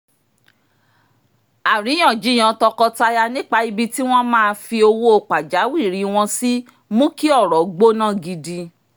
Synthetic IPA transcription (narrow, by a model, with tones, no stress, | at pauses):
a˨ɾĩ˨˦ã˦˨d͡ʒi˨˦j̃ã˨˧tɔ˧kɔ˧ta˧ja˧nĩ˦k͡pa˧i˧bi˧ti˦w̃ɔ̃˦mãː˦˨˧fi˧o˧wo˦o˧k͡pa˨d͡ʒa˨˦wi˦˨ɾi˨˦w̃ɔ̃˧si˦ | mũ˦ki˦ɔ˦˨ɾɔ˨ɡ͡bo˦nã˦˨ɡi˧di˧